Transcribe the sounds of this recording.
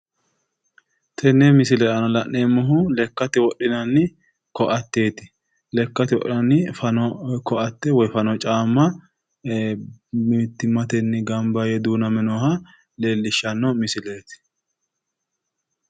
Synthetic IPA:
t̪ʰɛnːɛmɪs̬ɪlɛʔɐnɐlɐʔːeːmːʊɦʊlɛkːɐt̪ɪwɔɗːɪnɐnːɪ | kɔʔɐt̪ːe̞ːt̪ɪ̥ | lɛkːɐt̪ɪwɔ̰ʔɪnɐnːɪfɐnɔkɔʔɐt̪ːɛwɔjfɐnɔt͡ʃʼaːmːɐ | mt̪ːɪmɐt̪ɛnːɪɡɐmbɐjɛd̪uːnɐmɛnɔːhɐ | leːlːɪʃːɐnːɔmɪsɪleːt̪ɪ̥

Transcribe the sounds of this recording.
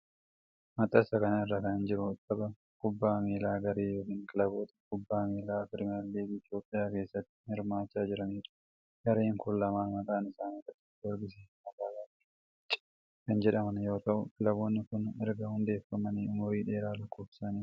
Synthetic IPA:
mɐt̪ʼɐsɐkɐnɐɪrːɐkɐnɪnd͡ʒɪɾʊt̪ʼːɐbɐ | kʊbːaːmiːlaːɡɐɾeːjoːkiːŋkʼɪlɐboːt̪ɐ̥kʊbːaːmiːlaːfɪɾɪmɐlːeːfːt̪jo̞ːpʼːɪjaːke̞ːsːɐt̪ːɪ̥hɪɾmaːt͡ʃːaːd͡ʒɪɾɐniːᶑɐ̥ | ɡ̥ɐɾe̞ːŋkʊlːɐmaːmɐkʼaːnɪsaːnɪrɐt̪ːɪ̥ʊɛɾɡɪs̬ɛ | ɐkaːlaːt̪ʼ | kɐnd͡ʒɛᶑɐmɐnjo̞ːt̪ɐʔʊkʼɪlɐboːnːɪkʊnɛɾɡɐhʊnd̪e̞ːfɐmɐniʊmʊɾiːᶑe̞ːɾaːlɐkːoːfsaːniːf

